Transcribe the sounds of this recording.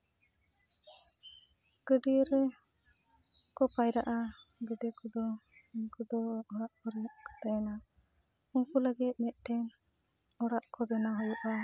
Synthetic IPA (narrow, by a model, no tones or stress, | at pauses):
ɡ̥əɖiɾ | kɔpajɾaʔaɡəɖɛkɔd̪ɔiɲkud̪ɔɔɽaʔkɔɾijɔʔkɔ̥t̪ajna | uŋkuləɡit̪̚ˀmɛt̪̚ˀʈʰɛn | ɔɽaʔkɔbɛnaɦɔjɔʔa